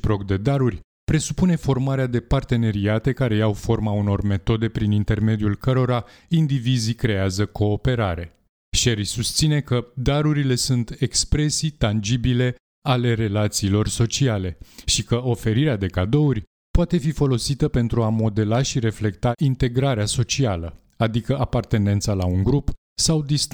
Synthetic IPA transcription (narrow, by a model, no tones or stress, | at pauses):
pɾo̞k̚d̪e̞d̪aɾurʲ | pɾe̞supune̞fo̞rmaɾead̪e̞part̪e̞ne̞ɾiat̪e̞kaɾe̞jawfo̞rmauno̞rme̞t̪o̞d̪e̞pɾinint̪e̞rme̞d̪iulkəɾo̞ɾa | ind̪ivizikɾe̞azəko̞ːpe̞ɾaɾe̞ | ʃeɾjsust̪sine̞kəd̪aɾuɾile̞sunt̪e̞kspɾe̞sit̪and͡ʒibile̞ | ale̞ɾe̞lat̪siːlo̞rso̞t͡ʃiale̞ʃikəo̞fe̞ɾiɾead̪e̞kad̪o̞urʲ | poat̪e̞fifo̞lo̞sit̪əpe̞nt̪ɾuamo̞d̪e̞laʃiɾe̞fle̞kt̪aʔint̪e̞ɡɾaɾeaso̞t͡ʃialə | ad̪ikəʔapart̪e̞ne̞nt̪salauŋɡɾup | sawd̪ist̪